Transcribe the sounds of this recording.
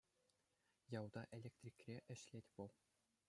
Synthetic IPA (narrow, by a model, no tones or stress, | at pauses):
jɑwd̪ɑʔelʲek̚t̪rʲikʲrʲeʔɘ̆ɕlʲetʲʋɤ̆lˠ